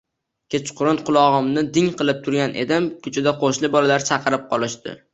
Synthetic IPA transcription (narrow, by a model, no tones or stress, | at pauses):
kʲet͡ʃqʰʊɾʊnqʊlˠɒʁɨmnɪd̪ɪŋqɨlˠɪp̚t̪ʰʊɾɡʲanʔe̞̰d̪ɪmkʰʲʊt͡ʃʰɪd̪aqʰoʃlɪbɒlalaɾt͡ʃʰɑqʰɨɾɪp̚qʰɒlˠɪʃt̪ɪ̰